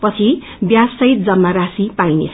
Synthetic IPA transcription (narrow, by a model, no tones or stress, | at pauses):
pʌt͡sʰi | bjasːʌɦit̪̚d͡zʌmːaɾasipajnḛt͡sʰ